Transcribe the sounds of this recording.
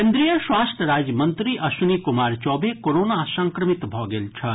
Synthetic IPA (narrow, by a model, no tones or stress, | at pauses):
kẽnd̪ɾijəʃwaːst̪ʰɾaːd͡ʒmɐ̃nt̪ɾiʔɐsunikʊmaːɾt͡ʃɔːbʱekoɾoːnasɐ̃ŋkɾəmɪt̪bʱɔːɡelt͡ʃʰɐ